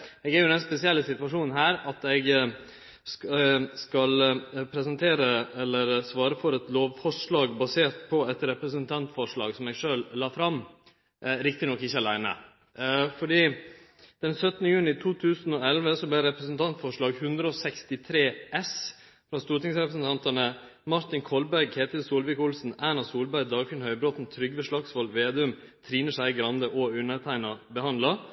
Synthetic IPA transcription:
ɛɡæɾjʊd̪ɛnspɛsɪɛlːəsɪt̪ʋɑʂuːnn̩ɦæːɾɑt̪ɛɡ | skɑlpʰɾɛsənt̪ʰeːɾəɛlːəɾsʋɑːɾəfɔɾɛt̪loːʋfɔʂɭɑːɡbɑseːʈ̪pʰɔɛt̪ɾɛpɾəsənt̪ʰɑnt̪fɔʂɭɑ̰ːɡsɔmɛɡʂøːllɑːfɾɑm | ɾɪk̚t̪ɪnɔkːɪçːəɑlæɪnə̰ | fɔɖiː | d̪̥ɛnsœt̪nəjʉːnɪt̪ʰuːt̪ʰʉːsn̩ɔɛlʋəsɔblɛɾɛpɾəsnt̪ʰɑnt̪fɔʂɭɑːɡhʉnd̪ɾəɔsɛkst̪ɪt̪ʰɾeːʔɛs | fɾɑst̪uːɾʈɪŋsɾɛpɾəsn̩t̪ʰɑnt̪ənə | mɑɾt̪ɪnkʰɔlbæɾɡheːt̪ɪlsuːlʋɪkʊlsn̩ænɑsuːlbæɾd̪ɑːlkʰɪnhœʏbɾɔt̪n̩t̪ʰɾʏɡʋəʂɭɑksʋɔlʋeːd̪ʉm | t̪ʰɾiːnəʂæɪɡɾɑnd̪əʔɔʉnəɾt̪ʰæɪnɑbəhɑnd̪lɑ

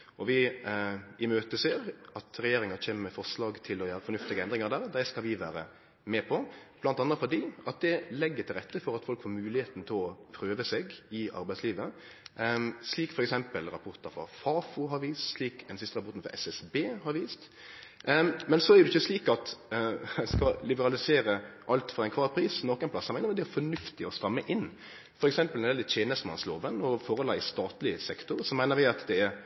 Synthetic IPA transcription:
ɔʋɪ | ʔɪmøːt̪əseːɾɑt̪ɾɛjeːɾɪŋɑçeːməɾmɛfɔʂlɑːɡt̪ʰɪlɔjæːɾəfɔɾnʉft̪ɪɡəɛnd̪ɾɪŋɑɾd̪æːɾd̪æskɑlʋɪʋæ̰ːɾə | mɛpʰɔb̥lɑnt̪ɑnːɑt̪fɔd̪iːɑt̪̚d̪ɛlɛɡːət̪ʰɪlɾɛt̪ʰːəfɔɾɑt̪fɔlkfoːɾmʉːlɪheːt̪n̩t̪ʰɪlɔpʰɾøːʋəseːɡɪʔɑ̰ɾbæɪsliːʋə | sliːkfɔɾɛksɛmpəlɾɑ̰pʰɔɾt̪əɾfɔ̰fɑːfuɦɑɾʋiːssliːkd̪ɛnsɪst̪əɾɑpɔɾt̪n̩fɾɑ̰ɛsɛsbeːhɑɾʋiːst̪ | mɛnsɔɛɾjd̪ɛɪçːəsliːkɑt̪ | skɑlɪbəɾɑlɪseːɾəʔɑlt̪fɔɾɑɛɪkʰʋɑːʁpʰɾiːsnɔkːɛnplɑsːɔmæɪnɾʋɪd̪ɛɛɾfɔnʉft̪ɪɔst̪ɑmːəʔɪn | fɔɾɛksɛmpəlɛɛlət̪ʰjeːnəst̪mɑ̰nsloːʋənɔfɔɾʁɔlɑɪst̪ɑːt̪lɪsɛkt̪ʊɾsɔmæɪnəɾʋɪɑt̪d̪ɛɛɾ

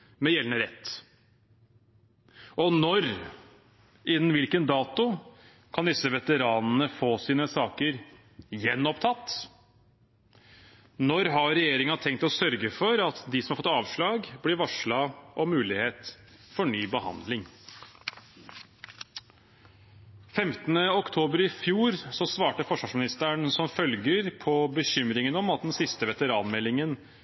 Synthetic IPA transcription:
mɛjɛlnəɾɛt̪ː | ʔɔnɔɾ | ʔɪnːn̩ʋɪlkənd̪ɑːt̪ʊ | kʰɑnd̪ɪsəʋɛt̪əɾɑːnnəfoːsiːnəsɑːkəɾ | jɛnːɔpt̪ʰɑt̪ː | nɔɾɦɑɾɛjeːɾɪŋɑt̪ʰɛŋk̚t̪ɔsœɾɡəfɔɾɑt̪d̪ɪsɔmhɑɾfɔt̪ɑːʋʂɭɑːɡblɪɾʋɑʂɭɑʔɔmʉːlɪheːt̪ | fɔɳyːbəhɑ̰nd̪lɪŋ | fɛmt̪ənəɔkt̪ʰoːbəɾɪfjuːɾsɔsʋɑːʈəfɔʂʋɑʂmɪnɪst̪əɳsɔmfœlɡəɾpʰɔbəçʏmɾɪŋənɔmɑt̪̚d̪ɛnsɪst̪əʋɛt̪əɾɑːnmɛlːɪŋən

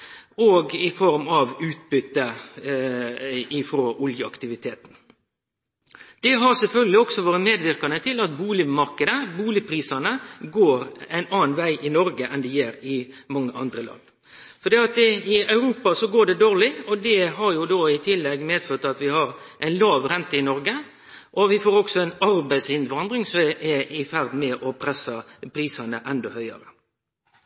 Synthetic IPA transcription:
ɔɡɪfɔɾmɑʋʉːt̪̚bʏt̪ːə | ɪfɾoʔʊljəɑ̰kt̪ɪʋɪt̪ʰeːt̪n̩ | d̪̥ɛɦɑɾsɛlfœlɡəlɪɔksɔʋoːɾəmeːd̪ʋɪɾkɑnət̪ʰɪlɑt̪̚buːlɪmɑɾkəd̪əbuːlɪpʰɾiːsɑnəɡoːɾæɪnɑːnʋæɪʔɪnɔɾɡəʔɛnd̪ɪjeɾɪmɑŋːəʔɑnd̪ɾəlɑ̰nː | fɔɾd̪eːɑt̪ɪɑʉɾuːpɑsɔɡoːɖɛd̪oːɾlɪɔd̪ɛɦɑɾjʊd̪oːɪt̪ʰɪlːɛɡmeːd̪føːt̪ɑt̪ʋɪhɑɾ | ʔæɪnlɑːʋɾɛnt̪əɪnɔɾɡə | ʔɔʋɪfoːɾɔksɔɛnɑɾbæɪsɪnʋɑnd̪ɾɪŋsɔmɛɪfæɾd̪mɛʔɔpʰɾɛsːɑpʰɾiːsɑnəʔɛnd̪ɔhœʏɑ̰ɾə

